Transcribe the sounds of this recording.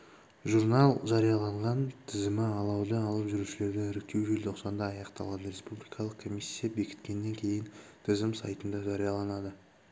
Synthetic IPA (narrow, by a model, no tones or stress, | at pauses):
ʒuɾnɑlˠʒɑɾijɑlˠɑɴʁɑnt̪ʰɪzɪmɪɑlˠɑwd̪əɑlˠəpʒʏɾuʃɪle̞ɾd̪ɪɪɾɪk̚t̪e̞wʒelt̪ʰo̞qsɑnd̪ɑːjɑqt̪ɑ̰lˠɑd̪əɾe̞spublʲijkʰɑlˠəqkʰo̞misʲːijabe̞kʲɪ̥t̪kʲe̞nːe̞ŋkʲʰe̞jɪnt̪ʰɪzɪmsɑ̰jt̪ənd̪ɑʒɑɾijɑlˠɑnɑd̪ə